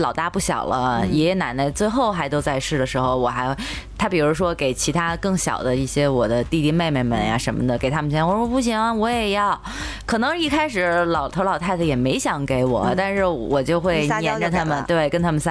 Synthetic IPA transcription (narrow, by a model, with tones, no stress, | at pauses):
lɑ˨˩ʊt̪a˥˧pu˥˩ɕjɑ̰˨˩ʊlə˦jɛ˧˥˧na˨˧˩nnə˧t͡swe˥˧ɪxo˥˩ʊxa˧˥ɪt̪o˥ʊt͡sa˥˧ɪʂɻ̩˥˩d̪ə˩ʂɻ̩˧˥xo˧ʊwɔ˨˩xa˧˥ɪ˥ | t̪ʰa˥pi˨˩ɻu˧˥ʂwɔ˥ke˨˩ɪt͡ɕʰi˧˥t̪ʰa˥kɤ˥˩ŋɕjɑ̰˨˩ʊd̪ə˦i˥˩ɕjɛ˥wɔ˨˩d̪ə˦t̪i˥˧t̪i˥˧me˥˧ɪme˥˩mə̰˨˩nja̰˧ʂə˧˥nmə̰˧˩d̪ə˩ke˨˩ɪt̪ʰa˥mə˨nɕjɛ˥nwɔ˨˩˥ɔ˥pu˥˩ɕ̬i˧˥ŋ˥˧wɔ˧˥jɛ˨˩jɑ˥˩ʊ | kʰɤ˨˩nɤ˧˥ŋi˥˩kʰa˥ɪʂ̬ɻ̩˧˥lɑ˨˩ʊt̪ʰʊlɑ˨˩t̪ʰa˥˩ɪd̪ə˩jɛ˨˩me˧˥ɪɕjɑ˧˥ŋke˧˥ɪwɔ̰˨˩t̪a˥˧nʂɻ̩˥˩wɔ˨˩t͡ɕjo˥˧ʊxwe˥˩ɪ˥ɛ˧˥˧t̪ʰa˥mə˨nt̪we˥˩ɪkə˥nt̪ʰa˥mə˨nsa˥˧